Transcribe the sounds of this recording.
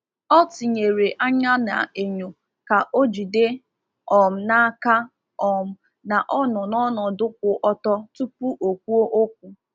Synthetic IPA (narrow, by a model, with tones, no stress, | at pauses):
ɔ˦ti˨ɲe˨ɾe˨ʔa˦ɲa˦na̰˨e˨ɲo˨ | ka˨ʔo˦d͡ʒi˨de˦ | ɔ˨m̩˨na˦ka˦ | ɔ˨m̩˨ | na˨ʔɔ˦nɔ˨nɔ˦nɔ˨dʊ˦k̚ʷʊ˨ʔɔ˦tɔ˦tu˦pu˦ʔo˨kʷu˦o˦ʔo˦k̚ʷu˨